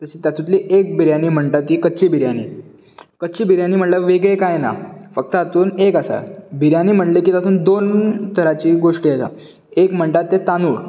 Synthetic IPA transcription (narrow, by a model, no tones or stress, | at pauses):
t̪əɕit̪jat̪ʰũt̪liʔek̚bʱiɾjaniːm̤əɳʈat̪iːkətːɕiːbʱiɾjanḭː | kətːt͡ɕiːbʱiɾjaniːm̤əɳlaʋeɡɭekajna̰fək̚t̪əat̪uːnekasa̰bʱiɾjaniːm̤əɳlekit̪at̪uːnd̪ont̪ʰəɾat͡ɕiːɡoʂʈiːasa̰ | ekm̤əɳʈ̪at̪ːet̪anuːɽ